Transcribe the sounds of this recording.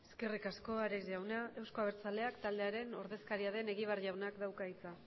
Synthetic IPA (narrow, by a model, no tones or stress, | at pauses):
eske̞rikasko̞aɾezʝawnae̞wsko̞aβ̞e̞ɾt͡sale̞akt̪ald̪e̞aɾe̞no̞ɾðe̞skaɾiaðe̞ne̞ɣiβ̞arʝawnakd̪awkait͡sa